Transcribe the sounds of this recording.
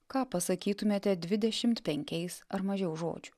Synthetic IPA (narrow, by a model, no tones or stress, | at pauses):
kɑːpɐsɐkʲiːt̪ʊmʲeːt̪ʲɛd̪ʲʋʲɪd̪ʲɛʃʲɪmt̪pʲɛŋʲkʲɛɪsɐɾmɐʒʲɛʊʒo̰ːd͡ʒʲʊ